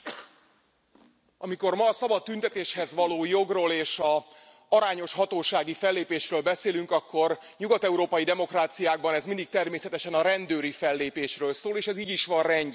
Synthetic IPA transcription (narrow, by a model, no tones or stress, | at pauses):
ɒmiko̞rmɒːsɒbɒt̪ːynt̪ɛt̪eːʃhɛzʋɒloːjo̞ɡroːleːʃɒ | ɒɾaːɲo̞ʃɦɒt̪oːʃaːɡifɛlːeːpeːʃrøːlbɛseːlyŋkɒkːo̞r | ɲuɡɒt̪ɛuɾoːpɒjid̪ɛmo̞kraːt̪sijaːɡ̚bɒnɛzmind̪ik̚t̪ɛrmeːsɛt̪ɛʃɛnɒɾɛnd̪øːɾifɛlːeːpeːʃrøːlsoːleːʃɛziːɟiʃʋɒrrɛɲɟ